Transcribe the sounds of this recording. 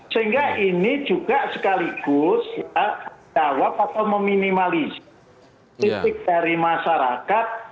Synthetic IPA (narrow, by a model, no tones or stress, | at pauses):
siiŋɡaʔini̥d͡ʒuɡ̥aʔsəkaliɡ̥ʊsjad͡ʒawap̚at̪awməminimaliz | it̪ɪk̚d̥aɾimasaɾa̰kat̪̚